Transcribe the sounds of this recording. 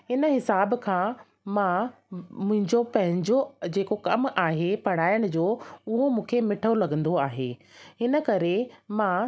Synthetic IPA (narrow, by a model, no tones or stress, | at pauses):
ɦɪnə̆ɦɪsaːbkʰãː | mã | mʊ̃ɦɪ̃ɲd͡ʑopɐ̃ɦɪ̃ɲd͡ʑod͡ʑeːkokɐmaːɦepɐɽ̤̃aːɪəɽ̃ʊ̆d͡ʑoːʊɦomũːkʰemɪʈʰolɐɡə̃nd̪oaːɦḛːɦɪnə̆kɐɾemãː